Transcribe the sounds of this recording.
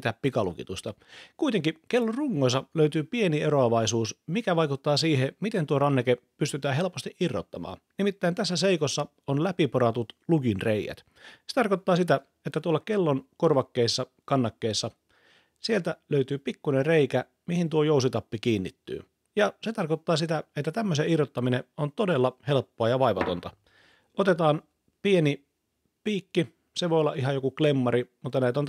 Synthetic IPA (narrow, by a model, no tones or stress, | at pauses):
t̪æppikɑlṵkit̪ust̪ɑkuit̪eŋkikelːorruŋːoisɑløyt̪yːpienieɾoɑʋɑisuːsmikæʋɑikut̪ːɑːsiːɦemit̪ent̪uorɑnːekepyst̪yt̪æːɦe̞lpost̪iʔirːo̰t̪ːɑmɑ̰ːnnimit̪ːæint̪æsːæseikosːɑ | onlæpipoɾɑt̪ut̪lukinreijæ̰t̪ | set̪ɑrkot̪ːɑːsit̪æ | et̪ːæt̪uolːɑkelːonkorʋɑkːeisːɑ | kɑnːɑkːeːsːɑ | sielt̪æløyt̪yːpikːunereikæ | mihint̪uojousit̪ɑpːikiːnːit̪ːy̰ː | jɑset̪ɑrkot̪ːɑːsit̪æet̪ːæt̪æmːøseirot̪ːɑmineont̪odelːɑhelpːoɑjɑʋɑiʋɑt̪o̰nt̪ɑ | ot̪et̪ɑːn | pieni | piːkːi | seʋojolːɑʔiɦɑjokuklemːɑɾimut̪ːɑnæit̪on